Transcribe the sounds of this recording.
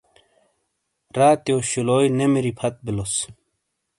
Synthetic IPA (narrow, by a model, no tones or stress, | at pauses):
ɾaːt̪joːɕuloːjnemiɾipʰɐt̪̚bilos